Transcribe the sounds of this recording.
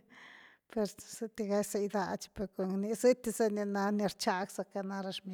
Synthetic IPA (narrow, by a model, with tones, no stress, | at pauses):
pe˧ɾsi˧t̪i˧ɡa˧jse˧jd̪a˧t͡ʃpe˧ɾko˧ŋni˧si˦t̪i˧se˦ni˧na˧ni˧ɾt͡ʃa˧ksa˧ka˧na˧ɾa˧ʂmi